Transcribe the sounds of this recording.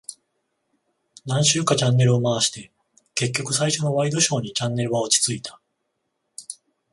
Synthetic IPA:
nãɰ̃ɕɨːkat͡ɕãnːe̞ɾɯ̟omaβaɕi̥t̪e̞ | ke̞k̬ʲːo̞kɯ̟saiɕo̞no̞βaid̪o̞ɕo̞ːɲ̟it͡ɕãnːe̞ɾɯ̟βaot͡ɕi̥t͡sɨit̪ʰḁ

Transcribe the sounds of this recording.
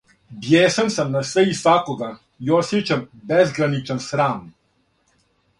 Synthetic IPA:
bjeːsansamnasʋɛjisʋaːkoɡa | jɔsit͡ʃɛmbɛzɡɾanit͡ʃɛnsɾaːm

